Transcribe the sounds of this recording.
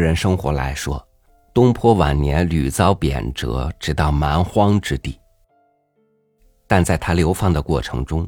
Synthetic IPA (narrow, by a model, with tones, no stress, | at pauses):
ɻə˧˥nʂɤ˥ŋxwɔ˧˥la˧˥ɪʂwɔ̰˥ | t̪ʊ˥ŋpʰwɔ˥wa˨˩nnjɛ˧˥nly˨˩t͡sɑ˥ʊpjɛ̰˨˩nʈ͡ʂɤ̰˧˥ʈ͡ʂɻ̩˨˩t̪ɑ˥˩ʊma˧˥nxwɑ˥ŋʈ͡ʂɻ̩˥t̪i˥˩ | t̪a˥˧nt͡sa˥˩ɪt̪ʰa˥ljo˧˥ʊfɑ˥˩ŋd̪ə˩kwɔ̰˥˩ʈ͡ʂʰɤ˧˥ŋʈ͡ʂʊ˥ŋ